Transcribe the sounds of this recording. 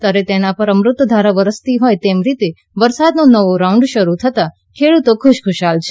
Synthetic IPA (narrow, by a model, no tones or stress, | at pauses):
t̪aɾet̪enapəɾəmɾʊt̪wd̪ʱaɾaʋəɾəst̪iɦojt̪emɾit̪e | ʋəɾsad̪nonəʋoɾaũɳɖʃəɾut̪ʰət̪a | kʰeɭut̪okʰʊʃkʰʊʃalt͡ʃʰe